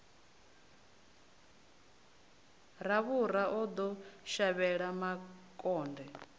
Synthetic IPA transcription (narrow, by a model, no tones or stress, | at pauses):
ɾaβuɾaʔɔd̪ɔʃaβɛɺamakʼɔːndɛ